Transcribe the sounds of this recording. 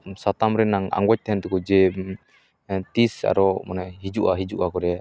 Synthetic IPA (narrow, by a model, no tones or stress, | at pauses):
sat̪amɾɛnaŋa̰ŋwac̚t̪ɛɦɛnt̪ɛkud͡ʒɛ | t̪isa̰ɾɔmanɛɦid͡ʒuʔaɦid͡ʒuʔakɔɾɛa